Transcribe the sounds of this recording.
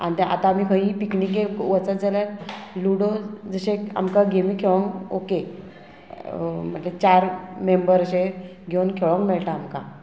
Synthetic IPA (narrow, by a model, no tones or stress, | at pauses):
a̰nit̪eʔa̰t̪ãam̤iːkʰə̃ɦĩpiknikeʋət͡səd͡zəlaɾluɽod͡zəɕẽa̰mkaɡʱemikʰeʋə̃ŋɡoke | m̤əɳlet͡ɕaɾmembəɾəɕe | ɡʱewnkʰeɭə̃ŋkmɛɭʈaːmka̰